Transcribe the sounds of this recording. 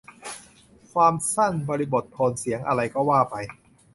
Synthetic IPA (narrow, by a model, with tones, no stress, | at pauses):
kʰwaː˧msa˥˩nbɔː˧ɾi˧bo˨˩t̪̚pʰɔː˧nsi˨˩˦əŋʔa˧ɾa˧jkɔː˥˩waː˥˩pa˧j